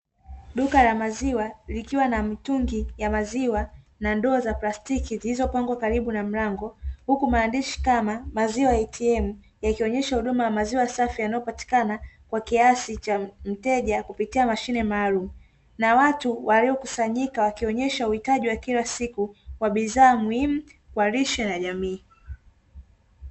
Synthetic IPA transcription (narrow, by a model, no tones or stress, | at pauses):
ɗukalamaziwalikiwanamituŋɡijamaziwa | nandɔːzaplastikizilizɔpaŋɡwakaɾiɓunam̩ɾaŋɡɔhukumaːndiʃi̥kamamaziwajɛtʰiɛmu | jakiɔɲɛʃahuɗumajamaziwasafijanaɔpati̥kanakwakiasit͡ʃam̩tɛʄakupitiamaʃinɛmaːlumu | nawatuwʔaliɔkusaɲikawakiɔɲɛʃauhitaʄiwakilasikukwaɓiðaːmuhim̩kwaɾiʃɛnaʄamiː